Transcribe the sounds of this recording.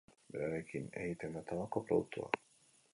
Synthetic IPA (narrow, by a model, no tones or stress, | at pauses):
be̞ɾaɾe̞kine̞̰ɣit̪emat̪aβako̞pɾoðuk̚t̪ua̰